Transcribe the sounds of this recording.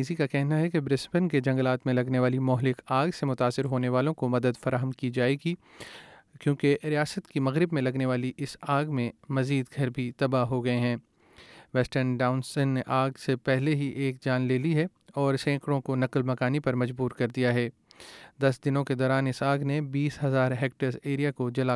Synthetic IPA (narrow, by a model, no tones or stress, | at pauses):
iːzikakɛɦnaɦɛkebɾɪspənked͡ʒɐ̃ŋɡəlaːt̪mẽlɐɡneʋaːlimɔːɦlɪkaːɡsemʊt̪aːsɪɾɦoːneʋaːlõkomɐd̪əd̪fɐɾaːɦəmkid͡ʒaːeɡi | kjõːkeɾijaːsət̪kimɐɣɾɪbmẽlɐɡneʋaːliʔɪsaːɡmẽmɐziːd̪ɡʱɐɾbʱit̪ɐbaɦoɡɐeɦɛ̃ː | ʋɛːsʈəɾnɖaːʊnsənːeʔaːɡsepɛɦleɦiʔeːkd͡ʒaːnleːliɦɛ | ɔːɾsɛ̃ːkɾõkonɐqlmɐkaːnipɐɾmɐd͡ʒbuːɾkɐɾd̪ijaɦɛːd̪ɐsd̪ɪnõked̪ɔːɾaːnɪsaːɡnebiːsɦɐzaːɾɦeːk̚ʈəɾzeːɾijakod͡ʒɐla